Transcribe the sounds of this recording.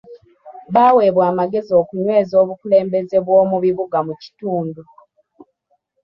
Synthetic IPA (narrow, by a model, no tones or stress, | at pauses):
βaːwe̞ːβwaːmaɡe̞zio̞kuɲwe̞ːzo̞ːβukule̞ːmbe̞ze̞βwo̞ːmuβiβuɡamuci̥tuːndu